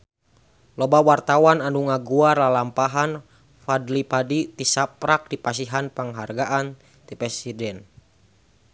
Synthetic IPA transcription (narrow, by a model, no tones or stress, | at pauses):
lɔbawart̪awananuŋaɡuarlalampaɦan | fadlipadit̪isapɾak̚dipas̬iɦanpəŋɦarɡaʔan | t̪ipɾɛsidɛn